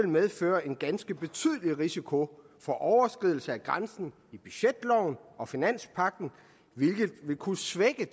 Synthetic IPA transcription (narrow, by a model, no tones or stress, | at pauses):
elmeð̞ˠfø̰ːɐe̝nɡ̥ænsɡ̥əb̥e̝t͡sʰyð̞̰ˠliʁisikʰo̝ | fɒ̽ʔɒʊɐsɡ̥ʁiðˠl̩səæɡ̥ʁansn̩ | ib̥y̥ɕed̥lɒʊn̩ɒ̽finæn̰spʰɑ̈ɡ̥̚d̥n̩ | ʋe̝lɡ̥ð̩ˠʋe̝kʰusʋeɡ̥ə